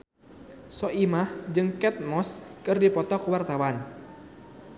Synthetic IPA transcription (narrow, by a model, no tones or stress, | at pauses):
sɔʔimahd͡ʒɨŋkɛt̪̚mɔskɨrdipɔt̪ɔkuwart̪awan